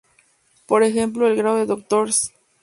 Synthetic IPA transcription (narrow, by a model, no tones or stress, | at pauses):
po̞ɾexe̞mp̬loelɡɾaoðeðok̚t̪oɾs